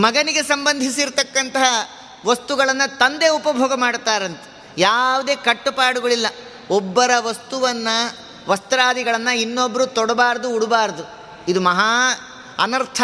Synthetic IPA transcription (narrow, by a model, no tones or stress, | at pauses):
mɐɡɐniɡe̞sɐmbɐnd̪ʱisiɾt̪ɐkːɐnt̪ɐɦɐ | ʋɐst̪uɡɐɭɐnːɐt̪ɐnd̪e̞ːupɐbʱoːɡɐmaːɽt̪aːɾɐnt̪e̥ | jaːʋud̪e̞ːkɐʈːupaːɽuɡɐɭilːɐ | ɔbːɐɾɐʋɐst̪uʋɐnːɐ | ʋɐst̪ɐɾaːd̪iɡɐɭɐnːɐinːobːɐɾut̪ɔɽɐbaːɾɐd̪uːɽubaːɾɐd̪u | id̪umɐɦaː | ɐ̰nɐɾt̪ʰ